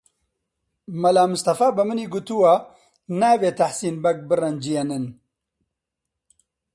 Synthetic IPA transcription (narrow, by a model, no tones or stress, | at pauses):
mɐlaːmʊst̪ɐfaːbɨmɨniːɡut̪uwa | naːveːt̪ʰaħsiːnbɐk̚bɨrɐnd͡ʒijenɨn